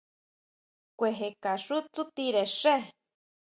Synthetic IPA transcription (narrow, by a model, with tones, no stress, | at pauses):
kʷe˧ɦe˧ka˨ʂu˦t͡sut̪iɾe˨ʂe˦